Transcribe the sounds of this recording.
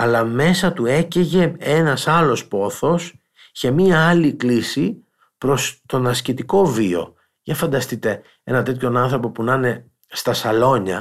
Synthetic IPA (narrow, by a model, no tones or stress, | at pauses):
ɐlɐme̞sɐt̪ue̞ceʝe̞e̞nɐsɐlo̞spo̞θo̞s | çe̞miɐɐliklisi | pɾo̞st̪o̞nɐscit̪iko̞vio̞̰ | ʝɐfɐnd̪ɐst̪it̪e̞ | e̞nɐt̪e̞t̪ço̞nɐnθɾo̞po̞punɐne̞ | st̪ɐsɐlo̞ɲɐ̰